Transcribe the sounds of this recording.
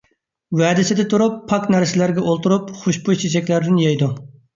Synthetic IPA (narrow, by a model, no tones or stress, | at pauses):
wɛːd̪ɪsɪd̪ɪt̪ʰuɾupʰːɑknæɾsɪlæɾɡʲɛʔolˠt̪uɾupχoʃbuʃt͡ʃʰit͡ʃɛkʲlæɾd̪ɪnjɛjd̪u